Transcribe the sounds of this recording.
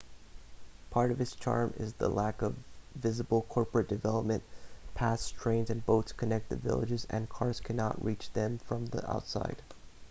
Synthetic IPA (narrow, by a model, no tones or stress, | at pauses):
pʰɑɹɾʌv̥ɨz̥t͡ʃʰɑ̰ɹmɪ̰zðə̰lækʌvːɪzəbl̩ˠkʰɔɹpɹɨt̚d̥ɨvɛlˠəp̚mɨ̃npʰæstʰɹ̥ẽɪ̃nzɨ̃nboʊtskʰɨnɛk̚t̪̚ðɨ̰vɪ̰lˠɨ̰d͡ʒɨzɨ̰̃nkʰɑɹz̥kʰænɑ̰ʔ̚ɹit͡ʃðɨ̃ɱfɹʌ̃mðḭʔa̰ʊtsa̰ɪd̥